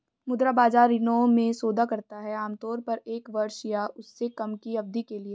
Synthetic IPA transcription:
mʊd̪ɾabaːd͡ʒaːɾɪnõmẽsoːd̪ʱakɐɾt̪aɦɛaːmt̪ɔːɾpɐɾeːkʋɐɾʃijaʔʊsːekɐmkiɐb̚d̪ikelie

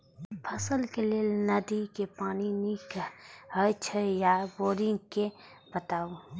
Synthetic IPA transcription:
pʰɐsəlkeleːlnɐd̪ikepaːninikɦət͡ʃʰəjaboːɾɪ̃ŋɡke | bət̪aːu

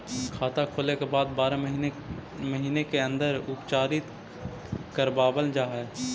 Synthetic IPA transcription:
kʰaːt̪akʰoːlekebaːd̪baːɾaɦ | məɦiːnekeə̃nd̪əɾʊpt͡ʃaːɾɪt̪ | kəɾbaːbəld͡ʒaːɦɛː

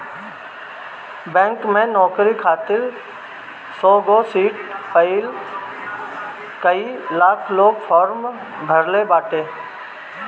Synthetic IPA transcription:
bɛ̃ːŋkmẽnɔːkɾikʰaːt̪ɪɾ | sɔːɡoːsiːʈpəɪl | kəiːlaːkʰloːɡfʰɔːɾm | bʱəɾlebaːʈeː

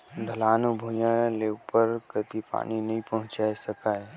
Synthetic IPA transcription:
ɖʱəlaːnubʱujənleupəɾkət̪ipa̰ːninɐɦĩpəɦʊ̃t͡ʃaesəkaːe

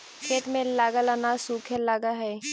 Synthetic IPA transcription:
kʰeːt̪mẽlaːɡalaːnasuːkʰɛlaːɡaɦɛː

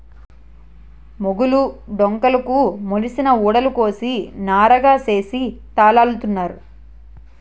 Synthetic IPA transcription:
moɡuluɖoŋkɐlɐkumolisinɐuːɽɐluko̞ːsinaːɾɐɡaːse̞ːsit̪aːlaːlut̪unːaːɾu

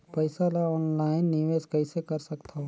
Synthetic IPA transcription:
pɐɪsalaɔːnlaːɪnːɪʋeːskɐisekɐɾsɐkt̪ʰaɦo

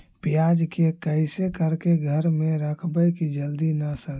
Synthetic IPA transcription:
pijad͡ʒkekəɪsekəɾkeɡʱəɾmẽɾəkʰbəkid͡ʒəld̪inəsəɾ

